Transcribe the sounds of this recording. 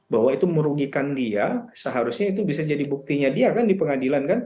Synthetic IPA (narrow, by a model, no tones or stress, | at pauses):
baɦwait̪uməɾuɡikandiasəɦaɾusɲait̪ubisad͡ʒadibuk̚t̪iɲadiakandipəŋadilankan